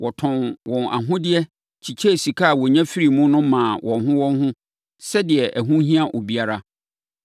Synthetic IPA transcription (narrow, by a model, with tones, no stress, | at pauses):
wʔɔ˨tʰɔ̃˨nwɔ̃˨na̰˨ɦʊ̃˦dɪ˦ɛ˦ | t͡ɕʰi˨t͡ɕʰe˦˨si˨kʰa˦˨wɔ˨ɲã˦fi˦ɾi˨mʊ̃˦nʊ̃˦mãː˨wʔɔ̃˨nɦʊ̃˦wɔ̃˦nɦʊ̃˦ | sɛ˦dɪ˨ɛ˨ʔæ˨ɦũ˦ɦĩ˦ã˦ʔo˨bi˨a˦ɾa˦